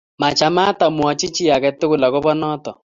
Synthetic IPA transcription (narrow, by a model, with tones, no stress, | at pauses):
ma˨t͡ʃa˨ma˦ta˨mwɔ˨t͡ʃɪ˦t͡ʃi˦a˨ɣɛ˨tɪ˦ɣʊ˨la˨ɣʊ˦βɔ˦nɔ˦tɔ˨